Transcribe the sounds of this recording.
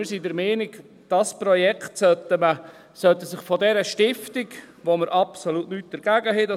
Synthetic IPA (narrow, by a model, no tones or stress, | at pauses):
ɪɾsidəɾmɛːnɪɡ | d̥ɑspɾɔjɛkχtsœtəmə | sœt̪əsɪχfɔdɛɾəʃtɪftiɡʋoməɾʔɑpsolutnyːt̚d̥əɾɡ̥æɡəɦɛdɑ